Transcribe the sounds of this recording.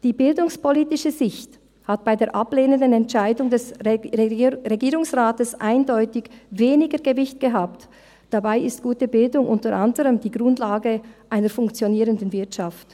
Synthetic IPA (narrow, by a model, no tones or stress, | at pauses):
d̥iːbɪldʊŋspoliːtɪʃəzɪçt | hat̚b̥aɪdeːɐʔapleːnəndənɛntt͡ʃaɪdʊŋdɛs | ʁeɡiːʁʊŋsʁaːtəsʔaɪndɔʏtɪçveːnɪɡəɡəvɪçt̚ɡ̥əɦaːp̚t | d̥abaɪɪstɡ̥uːtəbɪldʊŋʔʊntəʁʔandəʁəmd̥iːɡʁʊndlaːɡəʔaɪnəɾfʊŋkt͡sjoniːʁəndən̩vɪɐtʃaft